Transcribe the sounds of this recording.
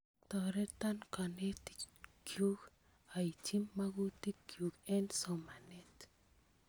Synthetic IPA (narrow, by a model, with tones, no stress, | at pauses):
t̪ɔ˨ɾɛ˦t̪a˦nka˨ne˦t̪kʰju˦k | a˨i˨t͡ʃi˦mːa˦ɡu˦ti˦kːju˨kɛ˦nsɔ˨ma˨net